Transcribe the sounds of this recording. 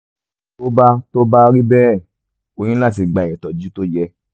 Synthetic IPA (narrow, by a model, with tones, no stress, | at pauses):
to˦ba˧to˦ba˦˧ɾi˦bɛ˦˨ | o˧j̃ĩ˦la˦˨t̬i˨ɡ͡bã˨ɛ̃˨tɔ˨d͡ʒu˦to˦jɛ˧